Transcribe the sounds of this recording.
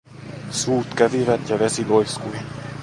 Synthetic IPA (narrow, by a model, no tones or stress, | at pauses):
suːt̪kæʋiʋæt̪jɑʋesilojskui